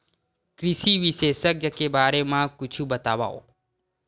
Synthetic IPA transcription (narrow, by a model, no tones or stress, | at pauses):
kɾiʃiʋiʃesəkjəkebaːɾemãkʊt͡ʃʰũbət̪aʋa̰o̰